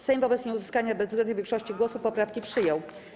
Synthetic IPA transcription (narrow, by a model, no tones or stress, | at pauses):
sɛjmvɔbɛt̪sɲɛuzɘskaɲabɛzvɡɛnd̪ɲɛvʲjɛ̃ŋkʂɔɕt͡ɕiɡwɔsupːɔpɾafkʲipʂɘjɔw